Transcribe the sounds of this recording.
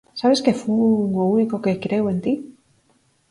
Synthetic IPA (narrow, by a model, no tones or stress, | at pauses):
saβe̞ske̞fuouniko̞ke̞kɾe̞we̞nt̪i